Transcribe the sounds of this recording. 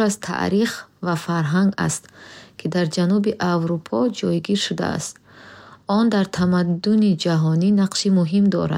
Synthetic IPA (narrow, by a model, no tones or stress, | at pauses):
azt̪ʰa̰ʔɾiχvafaɾɦaŋɡa̰st̪kʰid̪aɾd͡ʒanubiʔavɾupʰɔd͡ʒɔjɡiɾʃud̪a̰a̰st̪ | ɔnd̪aɾt̪ʰamad̪ːunid͡ʒaɦɔninaqʃimuɦimd̪ɔ̰ɾa̰d̪